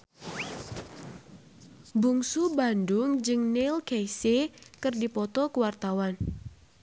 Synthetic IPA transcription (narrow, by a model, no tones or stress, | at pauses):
buŋsubandʊŋd͡ʒɨŋnilkejsekɨrdipɔt̪ɔkəwart̪awan